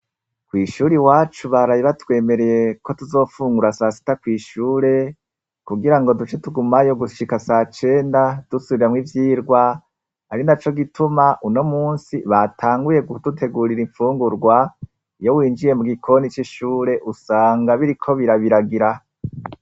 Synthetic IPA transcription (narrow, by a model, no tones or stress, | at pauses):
kwiːʃuːɾiwaːt͡ʃuβaɾajiβatwe̞ːme̞ɾe̞je̞ko̞tuzo̞ːfuːŋɡuɾasasi̥takwiːʃuːɾe̞ | kuɡiɾaŋɡo̞dut͡ʃe̞tuɡumajo̞ɡuʃikasaːt͡ʃe̞ːndad̥usuβiɾamŋivjiːɾɡwa | haɾinat͡ʃo̞ɡitʰumaʔuno̞muːnsiβatʰaːŋɡuje̞ɡudutʰe̞ɡuːɾiɾiɱfuːŋɡuɾɡwa | jo̞wiːnd͡ʒiɾe̞muɡikʰo̞nit͡ʃiʃuːɾe̞ʔusaːŋɡaβiɾikʰo̞βiɾaβiɾaɡiɾa